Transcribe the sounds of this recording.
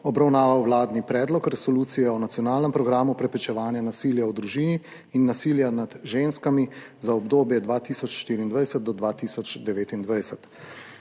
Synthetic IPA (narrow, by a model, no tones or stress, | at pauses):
ɔbɾawnaːʋawwlaːd̪nipɾɛːd̪lɔkɾɛsɔluːt̪sijɛɔnat̪sijɔnaːlnɛmpɾɔɡɾaːmupɾɛpɾɛt͡ʃɛʋaːnjanasiːljaɔd̪ɾuʒiːniː | nːasiːljanad̪ʒenskami | zaɔbd̪oːbjɛd̪ʋaːt̪isɔt͡ʃʃt̪iːɾiːnd̪ʋajsɛt̪̚d̪ɔd̪ʋaːt̪iːsɔt͡ʃd̪ɛʋeːt̪ind̪ʋajsɛt̪